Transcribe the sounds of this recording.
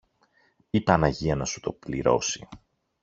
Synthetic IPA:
ipɐnɐʝiɐnɐsu̥t̪o̞pliɾo̞si

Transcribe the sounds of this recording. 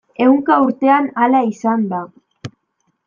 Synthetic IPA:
e̞uŋkauɾt̪e̞analaisand̪a

